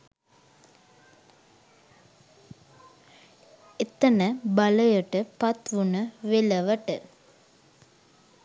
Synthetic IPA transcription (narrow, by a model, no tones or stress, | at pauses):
et̪ənəbɐləjəʈəpɐt̪ʋunəʋelɐʋəʈə